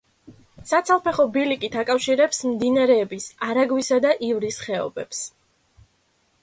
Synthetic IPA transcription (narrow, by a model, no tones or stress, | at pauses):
sat̪sʰalˠpʰɛχɔbilikʼit̪ʰakʼafʃiɾɛpsmd̪inaɾɛːbisaɾaɡwisad̪aʔivɾisχɛɔ̰bɛps